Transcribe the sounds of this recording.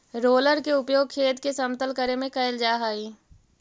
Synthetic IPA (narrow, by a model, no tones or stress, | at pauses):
ɾoːləɾkeʊpjoːɡ̚kʰeːt̪kesɐmt̪əlkəɾemẽkɐɪld͡ʒaːɦaːiː